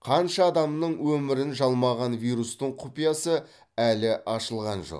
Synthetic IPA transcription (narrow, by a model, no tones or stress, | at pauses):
qʰɑnʃɑːd̪ɑmnəɴwɵmɪɾɪnʒɑlˠmɑʁɑnvijɾust̪əɴqʰupijɑsə | ælɪʔɑʃəlˠʁɑnʒo̞̰q